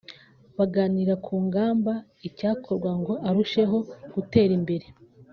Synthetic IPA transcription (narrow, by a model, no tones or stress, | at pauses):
βaɡaːniɾakʰuːŋɡaːmba | icaːkʰo̞ɾɡwaŋɡo̞ʔaɾuʃe̞ɦo̞ɡ̥ute̞ːɾimbe̞ɾe̞